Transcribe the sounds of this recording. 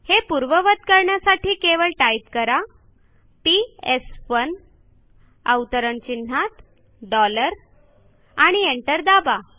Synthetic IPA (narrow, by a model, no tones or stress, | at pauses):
hepuɾʋəʋət̪̚kəɾɳjasaʈiːkeʋəɭʈajip̚kəɾa | piesʋən | əwt̪əɾəɳt͡ɕin̤ːat̪ | ɖɔləɾ | aɽ̃ieɳʈəɾd̪aba